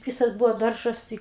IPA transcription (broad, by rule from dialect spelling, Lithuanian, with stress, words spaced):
ˈʋʲɪsɐs ˈbʊʋoː ˈdɐrʒɐs ˈtɐɪ